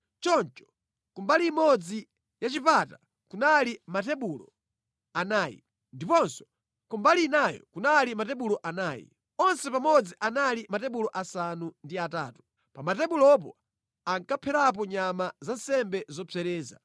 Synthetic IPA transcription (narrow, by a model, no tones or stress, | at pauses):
t͡ʃɔnt͡ʃɔ̥ | kumbaliːmɔd͡zi | jat͡ʃipata | kunalimatɛɓulɔ̰ | anaːjḭ | ndipɔnsɔ̥ | kumbalinajɔ̰kunalimatɛɓulɔʔanaːjḭ | ɔnsɛpamɔd͡ziʔanalimatɛɓulɔʔasanundiataːtu̥ | pamatɛɓulɔp̬ɔ | aŋkapʰɛɾap̬ɔɲamazansɛmbɛzɔpʰɛɾɛːza̰